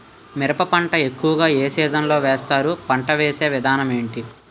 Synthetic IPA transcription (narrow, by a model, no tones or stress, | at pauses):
miɾɐpɐpɐɳʈɐe̞kːuʋɐɡaːe̞ːsiːd͡ʒɐnlo̞ːʋɛːst̪aːɾupɐɳʈɐʋeːse̞ːʋid̪ʱaːnɐme̞ːɳʈi